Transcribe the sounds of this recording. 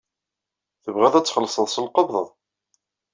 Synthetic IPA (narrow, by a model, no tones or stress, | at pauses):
θəvʁæðæt͡sːχəlːsˤəðˤsəlqəbðˤəðˤ